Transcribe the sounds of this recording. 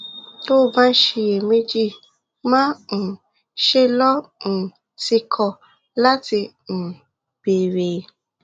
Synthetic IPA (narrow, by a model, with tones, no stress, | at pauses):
to˦˧bã˦n̩˦ʃe˧je˨mẽ˦d͡ʒi˦˨ | mã˦n̩˨ | ʃe˧lɔ˦n̩˨ | ti˧kʰɔ˨ | la˦ti˧ | n̩˨ | b̥e˨ɾe˨